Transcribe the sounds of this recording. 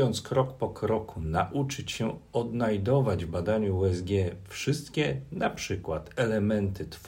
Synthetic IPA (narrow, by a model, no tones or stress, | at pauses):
ɔnt̪skɾɔkpɔkɾɔkunaʔut͡ʂɘt͡ɕɕɛɔd̪najd̪ɔvad͡ʑvbad̪aɲuuɛzɡʲjɛfʂɘst̪kʲɛnapʂɘkwat̪ɛlɛmɛnt̪ɘt̪f